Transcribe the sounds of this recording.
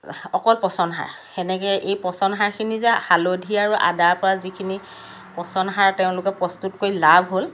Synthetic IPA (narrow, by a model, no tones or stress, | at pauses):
ɔkɔlpɔsɔnɦa̰ɹ | xɛnɛkɛʔejpɔsɔnɦaɹkʰinizahalodʱiaɹuʔa̰daɹpɔɹazikʰini | pɔsɔnɦaɹtɛʊ̃lʊkɛpɹɔstutkojlabʱɦol